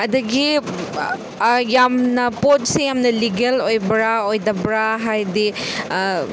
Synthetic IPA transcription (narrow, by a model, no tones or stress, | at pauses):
ɐdɐɡi | jamnɐpot̚sejamnɐliɡelojbɾaojdɐbɾaɦajdi